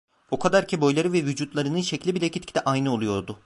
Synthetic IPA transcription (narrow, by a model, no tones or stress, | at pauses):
ukʰad̪aɾcʰibo̞jlˠaɾɯvɛvyd͡ʒut̪lˠaɾɯnɯnʃeclʲibilʲɛcʰit̪ʲcʰid̪ʲɛʔajnɯo̞lˠujo̞ɾd̪ʊ